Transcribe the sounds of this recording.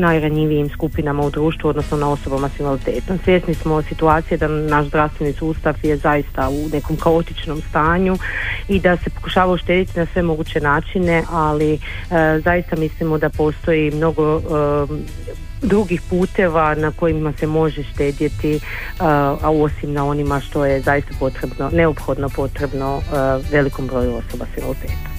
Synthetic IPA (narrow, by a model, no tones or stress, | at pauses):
najɾaɲiʋijimskupinamaud̪ɾuːʃt̪ʋuo̞d̪no̞sno̞nao̞so̞bamasinʋalit̪e̞ːt̪omsʋjeːsnismo̞sit̪uaːt̪sijed̪anaʃzd̪ɾaʋfst̪ʋe̞nisuːst̪aʋje̞zajist̪aune̞ko̞mkao̞t̪it͡ʃno̞mst̪aːɲuid̪ase̞po̞̥kuʃaːʋaoʃt̪e̞ːd̪it̪inasʋe̞mo̞ɡut͡ɕe̞naːt͡ʃine̞ʔali | zajist̪amislimod̪apo̞ːst̪o̞jimno̞ɡo̞ | d̪ɾuɡixpuːt̪e̞ːʋanako̞jimase̞mo̞ʒeʃt̪e̞ːd̪jet̪i | aosimnao̞nimaʃt̪o̞je̞zajist̪apo̞t̪ɾe̞bno̞ne̞opxo̞d̪no̞po̞t̪ɾe̞bno̞ʋe̞liko̞mbɾo̞ːjuo̞so̞basʋilolp̪eːt̪ḁ